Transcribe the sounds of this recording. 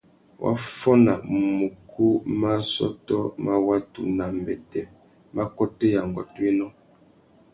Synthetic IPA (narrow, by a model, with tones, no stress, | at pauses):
wʔa̰˦fɔ˦na˨mu˨kʰu˦ma˦sɔ̰˦tɔ˦ma˦wa˦tṵ˨na˨m˨bɛ˨tɛ˨ | ma˦kɔ˦te˦ja˨ŋɡɔ̰˨twe˦nɔ˦